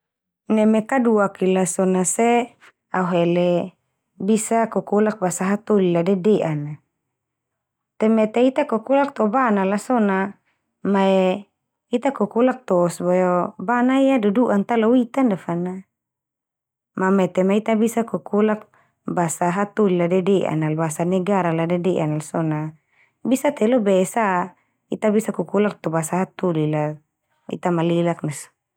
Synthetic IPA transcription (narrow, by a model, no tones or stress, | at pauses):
nɛmekaduakilasɔnase | auɦɛlɛ | bisakɔkulak̚basaɦat̪oliladɛdeʔana | t̪ɛmɛt̪eit̪akɔkulak̚t̪ɔbanalasɔna | maɛ | it̪akɔkulak̚t̪ɔsbajobanaijaduduʔant̪alɔwit̪andafana | mamɛt̪ɛmait̪abisakukulak̚ | basaɦat̪uliladɛdɛʔa̰nalbasanɛɡaɾaladɛdɛʔanalsɔna | bisat̪ɛlɔbɛsa | it̪abisakukulak̚t̪ɔbasaɦat̪ulila | ḭt̪amalilak̚nas